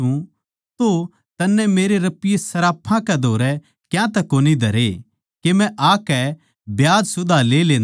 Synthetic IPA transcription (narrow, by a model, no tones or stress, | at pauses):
ũ | t̪o | t̪ɐnːɛ̃meːɾeɾɐpɪjesɐɾaːpʰãkɛd̪ʱoːɾɛ | kjãt̪ɛkoːnid̪ʱɐɾe | kemɛ̃ʔaːkɛ | bjaːd͡ʒsʊd̪ʱaleːleːn